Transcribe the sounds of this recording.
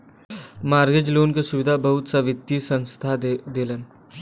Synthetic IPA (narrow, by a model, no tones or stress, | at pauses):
maːɾɡed͡ʒloːnkesuʋɪd̪ʱabɐɦʊt̪saʋɪt̪ːisə̃nst̪ʰad̪elən